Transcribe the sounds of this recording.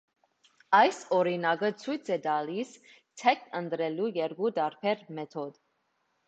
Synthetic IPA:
ɑjsɔɾinɑɡət͡sʰujt͡sʰɛd̪ɑlis | t̪ʰɛk̚t̪ənt̪ɾɛlujɛɾɡud̪ɑɾpʰɛɾmɛt̪ʰɔd̪

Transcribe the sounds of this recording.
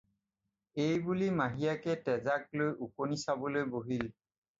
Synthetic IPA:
ejbulimaɦijakɛtɛzak̚lojʔukonisabɔlojboɦil

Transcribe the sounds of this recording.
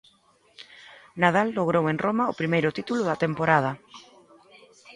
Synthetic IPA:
naðalːoɣɾoweŋrʔomaʊpɾimejɾʊt̪it̪ulʊðɐt̪empoɾað̞ɐ

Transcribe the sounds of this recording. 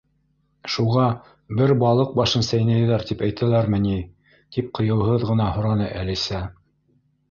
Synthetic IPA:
ʃuʁɑ | bɘɾbɑlˠɤq̚bɑʃɤnsæjnæjɘ̆ðæɾt̪ipæjt̪ælæɾmɘ̆ni | t̪ip̚qɤ̆jɤ̆wɦɤðʁɤ̆n̪ɑhŏɾɑnɤʔælisæ

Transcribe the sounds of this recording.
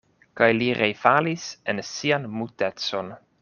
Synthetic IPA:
kajliɾejfalisensianmute̞t͡so̞n

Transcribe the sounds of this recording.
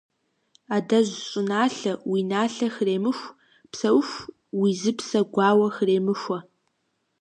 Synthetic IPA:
aːdɐʑʷɕʼɪnaːɬɐwinaːɬɐxɨreːmɨxʷ | psɐwxʷ | wizɨpsɐɡʷɑːwɐxɨreːmɨxʷɐ

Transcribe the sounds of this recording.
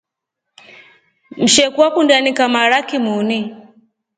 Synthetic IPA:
m̩ʃɛkwakundanikamaɾakimuni

